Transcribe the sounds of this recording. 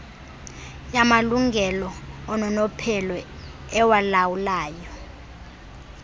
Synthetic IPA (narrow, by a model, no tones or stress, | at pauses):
jamaluŋɡʱɛlɔːnɔnɔpʰɛlɔ | ɛwalawulaːjɔ